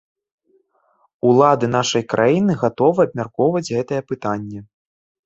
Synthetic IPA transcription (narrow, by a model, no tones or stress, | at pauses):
ulˠad̪ɨnaʂɐjkɾʔajinɨɣat̪ɔvɨɐb̚mʲarkɔwvɐd͡zʲɣɛt̪ɐjɛpɨt̪anʲːɛ